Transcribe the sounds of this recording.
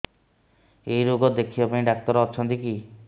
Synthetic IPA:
ejɾoɡɔd̪ekʰibapaĩɖak̚t̪ɔɾɔt͡ʃʰɔnt̪ik̬i

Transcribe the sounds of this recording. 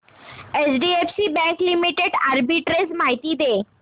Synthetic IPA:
esɖiefsibɛ̃ŋklimiʈeɖaɾbiʈɾesmaɦit̪iːd̪e

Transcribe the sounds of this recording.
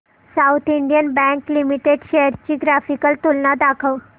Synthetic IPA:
saut̪ʰiɳɖijənbɛ̃ŋklimiʈeɖɕejəɾt͡ɕiːɡɾafikəlt̪ulnad̪akʰəw

